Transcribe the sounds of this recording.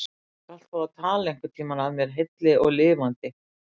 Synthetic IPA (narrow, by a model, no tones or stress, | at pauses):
kal̥t̪faat̪ʰaːlaeŋ̥kʏɾ̥t̪ʰiːmanaðmjɛɾ̥ɦejt̪lɪʔɔɣlɪːvant̪ɪ